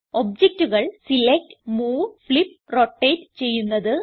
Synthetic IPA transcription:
o̞b̚d͡ʑek̚tuɣɐɭsilek̚tɨ̥muːfɭip̚ | roʈːeːtt͡ɕe̞jːunːɐðɨ

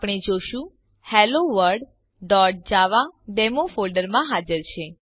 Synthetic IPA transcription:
pɳ̃id͡ʒoʃũ | hɛloʋəɾɖ | ɖɔʈ̚d͡ʒaʋaɖemofolɖəɾmãɦad͡ʒəɾt͡ʃʰe

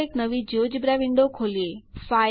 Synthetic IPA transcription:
ɪknɐʋid͡ʑoːd͡ʑbɾaːʋɪ̃ɳɖokʰoːlieːfaːɪ

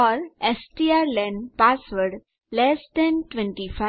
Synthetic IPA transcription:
ɔɾesʈiaɾlɛ̃ɳɖpasʋəɾɽ | lesd̪ɛ̃nʈʋẽɳʈifa

